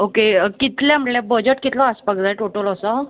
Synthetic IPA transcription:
okekit̪lɛ̃mʈlɛbəd͡ʑəʈkit̪lɔaspəkd͡z̪ajʈoʈəlɔsɔ

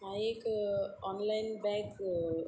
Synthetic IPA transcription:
ajekɔnlajnbɛːk

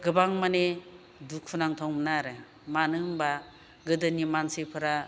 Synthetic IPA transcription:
ɡɯbaŋmane | dukʰunaŋt̪ʰɔŋmnaɾɯ | manɯŋba | ɡɯdɯnimansipʰɯɾa

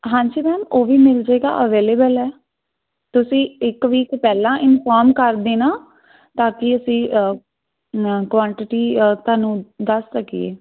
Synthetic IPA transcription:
ɦãːɲd͡ʒiːmɛːmoːʋiːmɪld͡ʒaːeːɡa̰ːʔəʋeːleːbəlɛː | t̪ʊsĩːɪkʋiːkpɛːlãːʔɪnfaːɾmkəɾd̪eːnaː | t̪aːkɪəsĩː | kʋãːɳʈɪʈiːt̪aːnũːd̪əsːəkḭḛː

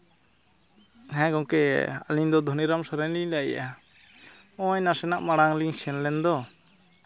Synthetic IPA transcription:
ɦɛ̃ɡɔŋkɛa̰liɲd̪ɔd̪ʱɔniɾamsaɾɛnliɲlaja | ɔ̃jnasɛnaʔmaɽaŋliŋsɛnlɛnd̪ɔ

